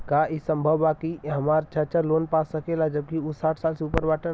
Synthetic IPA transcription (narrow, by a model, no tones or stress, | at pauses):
kaʔisəmbʱəʋːakiɦəmaɾt͡ʃət͡ʃəɾloːnpasəkelad͡ʒəb̚kiusaːʈʰsaːlseupəɾbaːʈə